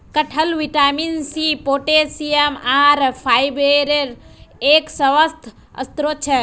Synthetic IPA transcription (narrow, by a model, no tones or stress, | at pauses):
kəʈʰəlʋiʈaminsipoːʈesiemaːɾpʰajbeɾeɾ | eːksəʋəst̪ʰ | ə̰st̪ɾot͡ʃʰe